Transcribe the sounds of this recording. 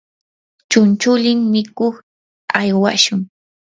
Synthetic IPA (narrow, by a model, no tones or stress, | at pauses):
t͡ʃʊnt͡ʃʊlɪmmɪkoχ | ajwa̰ʃʊŋ